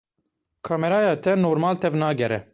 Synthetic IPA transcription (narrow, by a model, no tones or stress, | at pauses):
kʰɑːmɛɾɑːjɑːt̪ʰɛnoːɾmɑːlt̪ʰɛvnɑːɡɛɾɛ̰